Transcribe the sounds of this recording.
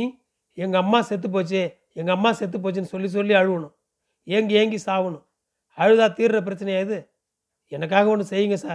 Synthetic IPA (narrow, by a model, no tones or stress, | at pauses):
i | ɛŋɡɐɐmːaːsɛt̪̬ːɯp̬ːoːt͡ʃːe | ɛŋɡɐːmːaːsɛt̪̬ːɯp̬ːoːt͡ʃːɯnːɯsɔlːis̬ɔlːiɐɻɯʋɐɳʊ̃ | eːŋɡieːŋɡisaːʋɐɳʊ̃ | ɐɻɯðaːt̪iːɾɾɐp̬ɪɾɐt͡ʃːɐnɐjaːðɯ | ɛnɐk̬ːaːɣɐɐndɯsɛjːɯŋɡɐsaːɾ